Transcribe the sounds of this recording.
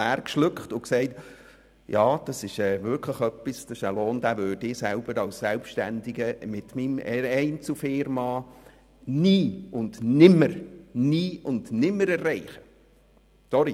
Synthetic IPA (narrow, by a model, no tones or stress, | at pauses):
æːrkʃlʉkχtʊksɛɪt | jɑːd̥ɑsɪʃɛːʋʏkʰləχœpːisd̥ɑɪʃæloːndæːvøːdɪsælb̥əɾɑlsːɛlpʃtændɪɡəmɪtmimɛɾɛɪnt͡sufɪɾmɑː | niːʊndnɪməɾniːʊndnɪmːəɾɛrːɛɪχə | sɔɾi